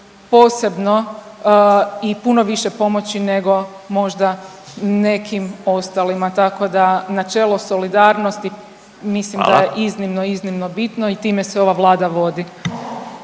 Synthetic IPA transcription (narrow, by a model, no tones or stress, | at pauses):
po̞ːse̞bno̞ | ipunoʋiʃepo̞mo̞t͡ɕine̞ɡo̞ | mo̞ʒd̪ane̞kʰimo̞st̪alimat̪ako̞d̪anat͡ʃe̞ːlˠoso̞lid̪aːɾnost̪i | mislimd̪ajeʔiznimnoiznimnobit̪noit̪iːmeseo̞ʋaʋlˠaːd̪aʋo̞d̪i